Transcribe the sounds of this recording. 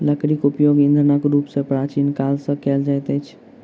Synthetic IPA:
ləkɾikupjoɡĩnd̪ʱɾənəkɾupsẽpɾat͡ʃinkalsə̃kɛld͡ʒajt̪ɛt͡ʃʰ

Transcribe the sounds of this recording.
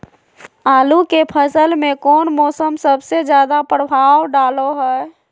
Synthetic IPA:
aːlukepʰəsəlmẽkɔːnmɔːsəmsəbsed͡ʒjaːd̪apɾəbʱaːwɖaːloɦɛː

